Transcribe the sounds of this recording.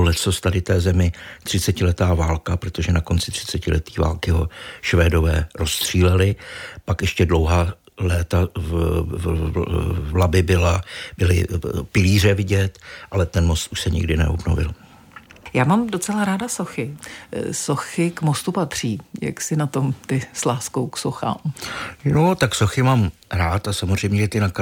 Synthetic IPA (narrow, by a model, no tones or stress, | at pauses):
lɛsost̪adɪt̪ɛːzɛmɪt̪r̝̥ɪt͡sɛcɪlɛt̪aːvaːlkapɾot̪o̞ʒɛnako̞ntt͡sɪ̥t̪r̝̥ɪ̥t͡sɛcɪlɛt̪iːva̰ːlkɪɦo̞ʃvɛːdo̞vɛːɾo̞st̪r̝̥iːlɛlɪpakjɛʃcɛdlo̞wɦaː | lɛːt̪a | vlabɪbɪlabɪlɪpɪliːr̝ɛvɪɟɛt̪ʔalɛt̪ɛnmo̞st̪ʔuʃsɛɲɪ̰ɡdɪnɛ̰obno̰vɪ̰l | jaːmaːmdot͡sɛlaɾaːdasoxɪ | soxɪkmost̪upat̪r̝̥iːja̰ksɪnat̪o̞mt̪ɪslaːskowksoxa̰ːmnot̪aksoxɪmaːmɾaːt̪asamo̞r̝ɛjmɲɛʒɛt̪ɪnak